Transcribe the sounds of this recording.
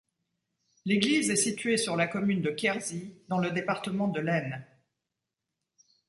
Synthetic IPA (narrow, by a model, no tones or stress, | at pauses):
leɡlizɛsit̪ɥesyʁlakɔmynd̪əkʲɛʁzid̪ɑ̃ləd̪epaʁt̪əmɑ̃d̪əlɛn